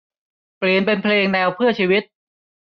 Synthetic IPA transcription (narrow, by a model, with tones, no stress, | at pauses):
pli˨˩ənpe˧npʰleː˧ŋnɛː˧wpʰɯ˥˩ɐt͡ɕʰiː˧wi˦˥t̪̚